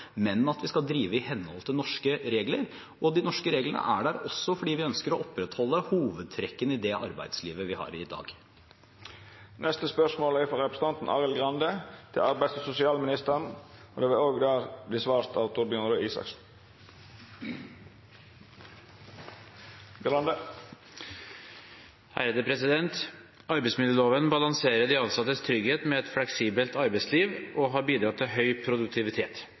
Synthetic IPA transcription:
mɛnɑt̪ʋɪskɑld̪ɾiːʋəɪhɛnːhɔ̰lt̪ʰɪlnɔʂkəɾeːɡləɾ | ɔd̪ɪnɔʂkəɾeːɡləɳə̰ʔæ̰ɖæɾɔsːɔfɔɖiːʋɪœnskəɾɔʔɔpɾɛt̪hɔlːəhuːʋəd̪̚t̪ʰɾɛkːənɪd̪ɛʔɑ̰ɾbæ̰ɪd̪sliːʋəʋɪhɑ̰ːɾɪd̪ɑ̰ːɡ | nʔɛst̪əspœʂmoːlæɪfɔɾɛpɾəsən̩ɑnt̪n̩ʔɑ̰ːʁəlɡʁɑnd̪ət̪ʰɪlɑɾbæɪssʊsɪɑːlmɪnɪst̪əʁənɔd̪ɛʋɛoːɡd̪æːʁd̪ɪsʋɑːst̪əɑʊt̪ʊɾbjœnɾəiːsɑ̰ks̩ | ɑnd̪ə | hæ̰ɾeːd̪əpʰɾɛsɪd̪ɛnt̪ | ɑɾbæɪsmɪd̪jəːloːʋənbɑlɑŋseːɾəɖ̪ɪɑnsɑt̪ːəst̪ʰɾʏɡheːt̪mɛɛt̪flɛksiːbəlt̪ɑɾbæɪsliːʋɔɦɑɾbiːd̪ɾɑt̪ːɪɦœʏpʰɾʊd̪ʉk̚t̪ʰɪʋɪt̪ʰeːt̪

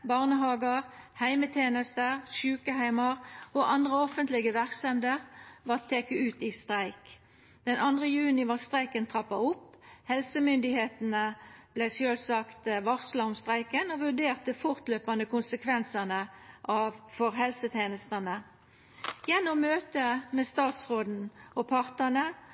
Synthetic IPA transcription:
bɑʁnəɦɑːɡəʁhæɪmət̪ʰeːnəst̪əʁʃʉːkəhæɪmɑʁoʔɑnd̪ʁəɔfənt̪lɪɡəʋæʁksɛmd̪əʁʋɑʁt̪ʰeːkəʉːt̪ist̪ʁæɪk | d̪̥ɛnʔɑnd̪ʁəjʉːnɪʋɑːʁst̪ʁæɪkənt̪ʰʁɑpːɑʊpː | hɛlsəmʏnd̪ɪheːt̪n̩əb̥læɪsøːlsɑkt̪ʋɑʁslɑʊmst̪ʁæɪkənɔʋʉʁɖ̪eːʁt̪əfʊʁt̪løːpɑnd̪əkʊnsəkʰʋɛnsənəʔɑʋfɔʁɦɛlsət̪ʰeːnəst̪ənə | jɛnːʊmːøːt̪əmɛst̪ɑːt̪sʁoːd̪n̩ɔpʰɑʁt̪ənə

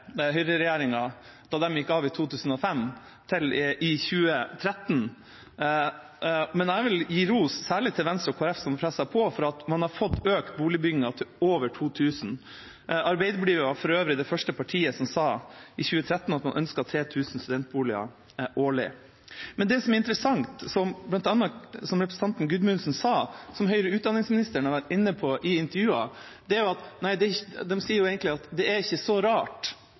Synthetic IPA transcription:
ɦʏɾəɾɛjæːɾɪŋɑ | d̪̥ɑːd̪ɛmjɪkːɑːʋɪt̪ʰuːt̪ʰʉːsn̩ɔfɛm | t̪ʰɪlʔɪçʉːət̪ʰɾɛt̪n | mɛnæɾʋɪljiːɾuːssæːɭɪt̪ʰɪlʋɛnst̪ɾʊkʰoːæɾɛfsɔmpʰɾɛsːɑpʰɔfɔɾɑɑt̪mɑnhɑɾfɔt̪ːøːk̪buːlɪbʏɡɪŋɑt̪ʰɪoːʋəʈʰuːt̪ʰʉːsn̩ | ɑɾbeɪd̪əbliːʋɑfɔɾøːʋɾəd̪ɛfœʂʈəpʰɑʈʰiːəsɔmsɑːʔɪçʉːət̪ʰɾɛt̪ːnɑt̪mɑnʔœnskɑt̪ʰɾeːt̪ʰʉːsn̩st̪ʉd̪ɛnt̪̚buːlɪɑ̰ | ʔoːɭɪ̰ | mɛnd̪ɛsɔmɛɾɪnt̪əɾəsɑŋt̪sɔmblɑnt̪ɑnːəsɔmɾɛpɾs̩t̪ʰɑnt̪n̩ɡʉd̪mʉnsnsɑːsɔmɦœʏɾəʉːt̪̚ɑnːɪŋsmɪnɪst̪əɳhɑɾʋæʈɪnːəpʰɔʔɪɪnt̪əɾjʉːɑ | d̪̥ɛæɾjʊɑt̪næɪd̪ɛɪçd̪ɛmsiːəɾjʊeːɡənt̪lɪɑt̪d̪ɛæɾɪçːəsɔɾɑːʈ

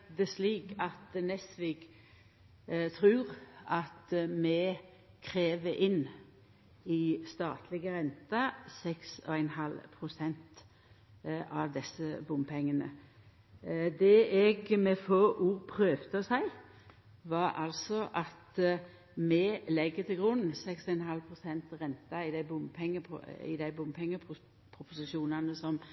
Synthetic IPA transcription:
d̪ɛsliːkɑt̪nɛsʋɪɡ | t̪ʰɾʉːʁɑt̪mɛ | kʰɾeːʋəʔɪn | ɪst̪ɑːt̪ʰlɪɡəɾɛnt̪ɑsɛksɔ̰ɛnhɑlpʰɾʊsɛnt̪ | ʔɑʋd̪ɛsəbʊmpʰɛŋːənə̰ | d̪ɛʔɛɡmɛfoʔuːʁpʰɾøːʋt̪əɔsæɪ | ʋɑɾɑ̰lsɔʔɑt̪ | mɛlɛɡːət̪ɪlɡʁʉnːsɛksɔɛnhɑlpʰʁʊsɛnt̪ʁɛnt̪ɑɪd̪æɪbʊmpʰɛŋːəɪ̰d̪æɪbʊmpʰɛŋːə | pʰɾʊpʊsɪʃuːnɑnəsɔm

